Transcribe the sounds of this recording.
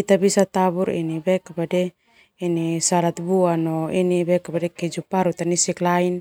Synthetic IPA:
it̪abisat̪abuɾḭnibɛkabadɛ | inisalat̪̚buanɔinibɛkabadɛkɛd͡ʒupaɾut̪anisiklain

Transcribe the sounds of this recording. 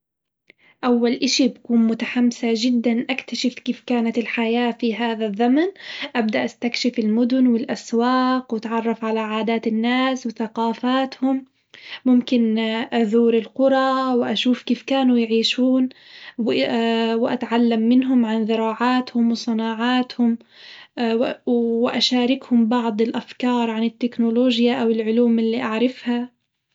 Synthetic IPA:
ʔawːalʔɪʃibakuːnmʊt̪aħamːsaʒɪd̪ːanʔakt̪aʃɪfkiːfkaːnat̪ɪlħajaːfiɦaːðaðːamanʔabd̪aʔast̪akʃɪfɪlmʊd̪ʊnwɪlʔaswaːqwɪt̪ʕɑrˤːɑfʕalaʕaːd̪aːt̪ɪnːaːswɪθaqɑːfaːt̪hʊmː | ʊmkɪnʔaðuːɾɪlqʊɾˤɑwʔaʃuːfkiːfkaːnujʕiːʃuːnw | wʔa̰t̪ʕalːamːɪnɦʊmʕanðɪɾˤɑːʕaːt̪hʊmwsˤɑnɑːʕaːt̪hʊm | wɪʔaʃaːɾɪkhʊmbɑʕd̪ˤɪlʔafkɑːɾˤʕanɪt̪ːɪknoloːʒjaʔawɪlʕʊluːmɪlːiːʔaʕɾɪfha

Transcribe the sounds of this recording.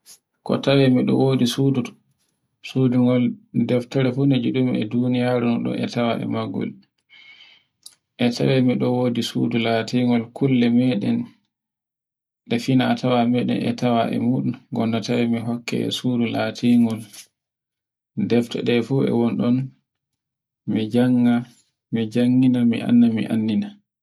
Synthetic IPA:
kɔ̰tawɛmiɗɔ̰woːdisud | suduŋɡɔldɛftɛɾɛfunɛd͡ʒuɗumiɛdunijaɾunɔɗɔ̰ʔɛtawaʔɛ̰maɡːɔ̰l | ʔɛtʰa̰wɛmiɗɔwoːdisṵdulatiŋɡɔlkulːɛmɛɗɛn | ɗɛfinatʰawamɛɗɛ̰nɛ̰tawaʔɛ̰muɗunɡɔnːatawɛmiɦɔkːɛ̰ɛ̰suːdulatʰiŋɡɔl | dɛftɛ̰ɗɛfuɛ̰wɔnɗɔn | mid͡ʒaŋːa | mid͡ʒaŋːinamḭʔa̰nːamḭʔa̰nːina

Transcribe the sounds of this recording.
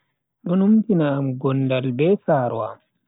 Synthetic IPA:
ɗɔnumtinaːmɡɔndalbɛsaːɾwa̰m

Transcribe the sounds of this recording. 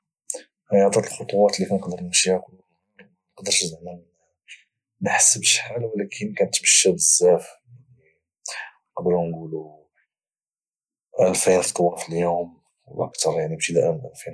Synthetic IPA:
hæjɑʕt̪ˤit̪əlxot̪ˤʊwɑt̪likænəqd̪əɾnəmʃihækl | nqd̪əɾʃzmæn | nəħsːəbəʃħalwlækʰənkænət̪ːməʃːæbəzːæf | ni | qd̪əɾunɡulu | ʔælfinft̪ˤwɑfiljum | wʔə̰kt̪ɑɾˤjaʕnibʃid̪æʔənʔælfin

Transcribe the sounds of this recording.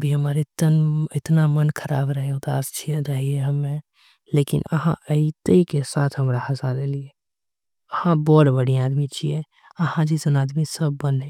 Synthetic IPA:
bʱiɦəmaːɾet̪ənɪt̪namənkʰəɾaːbɾəɦeɦũd̪a̰ːst͡ʃʰieɾəɦieɦəmːẽ | leːkɪ̰nə̰ɦã̰ʔəit̪eikesaːt̪ʰɦəmɾaɦəsalelie | əhãbɔːt̪bəɽiaːd̪mit͡ʃʰie | əɦãd͡ʒizənaːd̪misəbːənẽ

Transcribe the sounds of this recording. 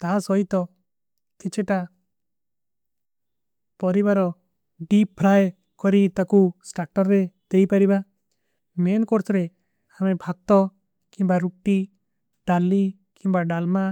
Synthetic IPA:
t̪asɔjt̪ɔ | t̪it͡ʃʰeʈa | pɔɾiβaɾɔ | ɖipʰːɾaj | kɔɾit̪akusʈaɾʈɔɾːed̪̥ejpaɾiba | menkoɾt̪ʰɾe | amebʱaɡ̚t̪ɔ | kimbaɾuk̚ʈi | ɖalːi | kimbaɖalma

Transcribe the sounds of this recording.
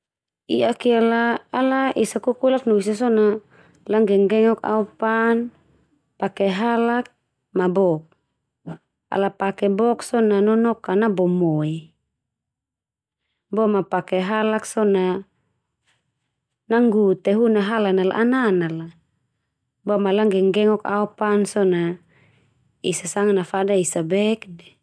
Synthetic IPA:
iʔakialaːlaʔisakukulaknuis̬as̬ɔna | laŋɡɛŋɡɛŋɔka̰upan | pakɛɦalak̚ | mabɔk̚ | a̰lapakɛbɔksɔnanɔnɔkanabɔmɔi | bɔmapakɛɦalaksɔna | aŋɡut̪ɛɦunaɦalanala̰ʔananala | bɔmalaŋɡɛŋɡɛŋɔkaupansɔna | isasaŋanafadaisabɛk̚dɛ

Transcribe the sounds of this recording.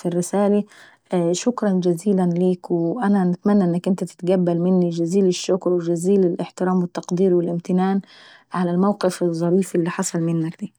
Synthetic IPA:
firːɪsaːli | ʃʊkɾˤɑnd͡ʒaziːlanliːkwɪʔananɪt̪manːaʔɪnːakʔɪnt̪at̪ɪ̥t̪ɡabːalmɪnːid͡ʒaziːlɪʃːʊkɾwɪd͡ʒaziːlɪlʔɪħt̪ɪɾaːmwɪt̪ːɑqd̪iːɾwɪlʔɪmt̪ɪnaːn | ʕalalmawqɪfɪzˤːɑɾiːfʔɪlːiħɑsˤɑlmɪnːakd̪iː

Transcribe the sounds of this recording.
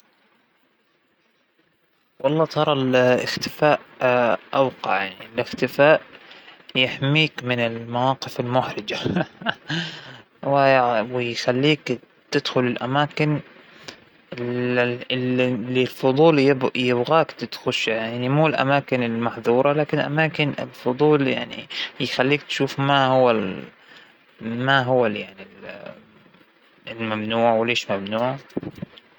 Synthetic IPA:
wɑlˤːɑːt̪ˤɑɾˤɑlɪ̰xt̪ɪfaːʔʔawqɑ̰ʕjaʕnilɪxt̪ɪfaːʔ | jɪħmiːkmɪnɪlmawɑːqɪfɪlmʊħɾɪd͡ʒa | wɪwɪjxalːiːk | t̪ɪd̪xʊlɪlʔamaːkɪn | ɪ | ɪllːilfʊd̪ˤuːljɪbjɪbɣaːkt̪ɪt̪xʊʃjaʕnimuːlʔa̰maːkɪnɪlmaħðuːɾˤɑlaːkɪnɪlʔa̰maːkɪnɪ̰lfʊd̪ˤuːlja̰ʕnḭjxalːiːk̚t̪ʃuːfmahʊwːa | maɦʊwːajaʕnil | ɪlmamnuːʕwɪleːʃmamnuːʕ

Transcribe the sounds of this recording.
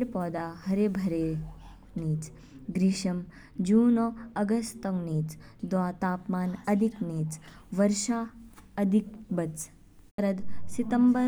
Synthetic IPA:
ɾpɔːd̪aːɦɐɾeːbʱɐɾeː | niːt͡s | ɡɾiʃɐm | d͡ʒuːnoɐɡɐst̪ɐŋɡniːt͡sd̪ʋaːt̪aːpmaːnɐd̪ʱikniːt͡sʋɐɾʃaːɐd̪ʱik̚bɐt͡s | ɾɐd̪sit̪ɐmbɐɾ

